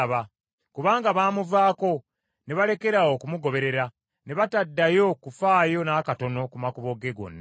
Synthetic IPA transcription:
βa | kuβaːŋɡaβaːmuvaːko̞ | ne̞βale̞ke̞ɾao̞kumuɡo̞βe̞ɾe̞ɾa | ne̞βatadːajo̞kufaːjo̞naːkato̞no̞kumakuβo̞ɡe̞ɡo̞̰nːa

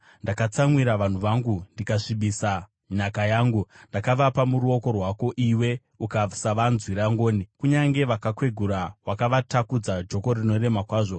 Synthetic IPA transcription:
ndakat͡samwiɾaʋan̤uʋaŋɡundikaʂiɓisa | ɲakajaːŋɡundakaʋapamuɾuo̞ko̞rwako̞ʔiwe̞ | ukasaʋanzwiɾaŋɡo̞ːnikuɲaŋɡe̞ʋakakwe̞ɡʱuɾawakaʋatakud͡zad͡ʒo̞ko̞rino̞re̞makwaːʐo̞

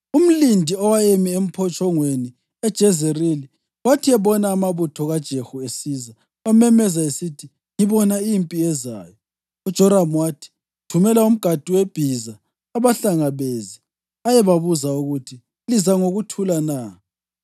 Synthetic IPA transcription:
um̩lindʱiɔwajemiem̩pʰɔt͡ʃʼɔŋweni | ɛd̥ʒ̥ʱɛzerili | watʰiɛβɔnaːmaβutʰɔɣad̥ʒ̥ʱexuesiːza | wamɛmɛzaesitʰi | ŋiβɔnaimpʼiɛza̰ːjɔ | ud̥ʒ̥ʱɔɾamwatʰi̥ | tʰumɛlaum̩ɡ̥ʱad̥ʱuweb̥ʱizaː | βaɬaŋaβezi | ajɛβaβuzauɣutʰi | lizaŋoɣutʰulanaː

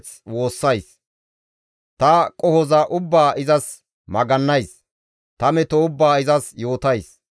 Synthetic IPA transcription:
t͡s | wo̞ːsːɐjs | t̪ɐkʼɔhɔzɐʔʊbːaːʔɪzɐs | mɐɡɐnːɐjs | t̪ɐmɛt̪ɔʊbːaːɪzɐsjo̞ːt̪ɐjs

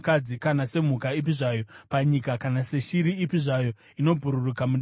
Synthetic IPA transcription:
kad͡zikanase̞m̤ukaip̬iʐaːjo̞paɲikakanase̞ʃiɾiːpiʐajo̞ | ino̞bʱuɾurukamu

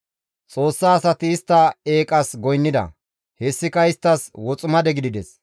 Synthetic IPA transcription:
t͡sʼo̞ːsːaːsɐt̪ɪːst̪ːɐeːkʼɐsɡɔjnːɪd̪ɐ̰ | hɛsːɪkɐɪst̪ːɐswɔt͡sʼʊmɐd̪ɛɡɪd̪ɪd̪ɛs

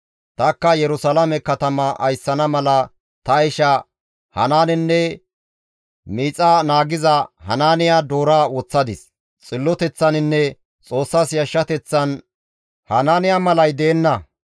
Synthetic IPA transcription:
t̪ɐkːɐjɛɾʊsɐlɐmɛkɐt̪ɐmɐʔɐjsːɐnɐmɐlɐ | t̪ɐɪʃɐ | hɐ̰naːnɪnːɛ | miːt͡sʼanaːɡɪzɐhɐ̰naːnɪjaːd̪oːɾaːwɔt͡sːɐd̪ɪs | t͡sʼɪlːɔt̪ɛt͡sːɐnɪnːɛ | t͡sʼo̞ːsːaːsjɐʃːɐt̪ɛt͡sːɐn | hɐnaːnɪjamɐlɐjd̪eːnːɐ

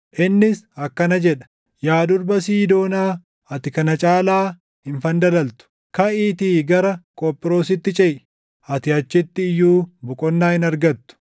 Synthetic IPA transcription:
ʔɪnːɪsɐkːɐnɐd͡ʒɛᶑɐ̥ | jaːd̪ʊɾbɐsiːd̪o̞ːnaː | ɐt̪ɪkɐnɐt͡ʃʼaːlaː | hɪnfɐnd̪ɐlɐlt̪ʊ̥ | kɐʔiːt̪iːɡɐɾɐkʼɔpʼːɪɾo̞ːsɪt̪ːɪt͡ʃʼɛʔ | ɐt̪ɪɐt͡ʃːɪt̪ːɪːjːuːbʊkʼɔnːaːhɪnɐɾɡɐt̪ːʊ̥

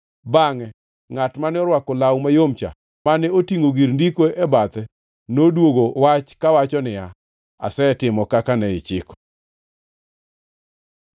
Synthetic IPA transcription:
baŋɛ | ŋatmanɔɾwakɔlawmajomt͡ʃa̰ | manɛotiŋoɡiɾndikoɛbat̪ɛ | nodwoɡowat͡ʃkawat͡ʃɔnɪja | a̰sɛtɪmɔkakanɛɪt͡ʃɪkɔ̥

